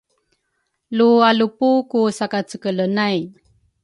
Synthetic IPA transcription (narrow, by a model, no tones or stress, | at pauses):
lualupukusakat͡səkələnaj